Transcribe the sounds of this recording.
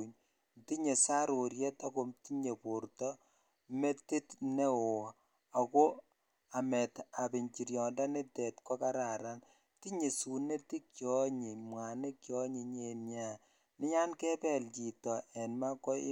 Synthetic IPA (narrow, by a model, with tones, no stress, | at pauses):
ɲ | ti˦ɲe˨sa˦ɾo˨ɾjɛ˦ta˦ko˨mti˦ɲe˨po˨ɾtɔ˦ | me˦ti˦tne˦o˨ | a˨ko˦ | a˨mɛ˨ta˨pi˨ɲt͡ʃi˨ɾjɔ˨nda˦ne˦tɛ˨tkɔ˦ka˦ɾa˨ɾa˦n | ti˦ɲe˨su˨ne˦ti˦kjɔ˦ɲi˨mwa˨ne˦kjɔ˦ɲi˨ɲe˨nja˦ | nɪ˦ɲa˦nkɛ˦pɛ˦˨lt͡ʃi˨tɔ˨ʔɛ˨nma˦kɔ˦i˦